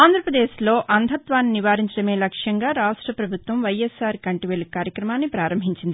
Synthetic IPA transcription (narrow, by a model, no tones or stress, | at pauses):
aːnd̪ʱɾɐpɾɐd̪eːʃlo̞ːʔɐnd̪ʱɐt̪ʋaːnːiniʋaːɾiɲt͡ʃɐɽɐme̞ːlɐkʂjɐŋɡaːɾaːʂʈɾɐpɾɐbʱut̪ʋɐmʋɐjesaːɾkɐɳʈiʋelikaːɾjɐkɾɐmaːnːipɾaːɾɐmbʱiɲt͡ʃind̪i